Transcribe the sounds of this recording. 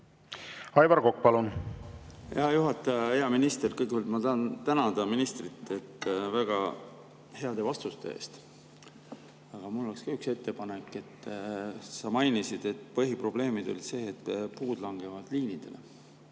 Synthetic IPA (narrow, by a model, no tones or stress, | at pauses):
ɑjvɑɾkok̚ːpɑlun | heɑjuɦɑt̪ˑːɑjɑeɑminist̪e̞rkɤjkyld̪mɑt̪ɑɑnt̪ænɑd̪̥ɑminist̪rit̪ːˑe̞t̪ːvæɡ̥ɑ | he̞ɑd̪̥e̞vɑst̪ust̪e̞̰ḛːst̪ | ɑɡ̥ɑmulːokskɑykse̞t̪ːe̞pɑnekːˑe̞t̪ːsɑmɑjnisid̪̥e̞t̪ːˑpɤɦipro̞ble̞ːmid̪̥o̞̰li̥se̞ːt̪puːd̪̥lɑŋɡ̥e̞vɑd̪̥liːnid̪̥e̞̰le̞̰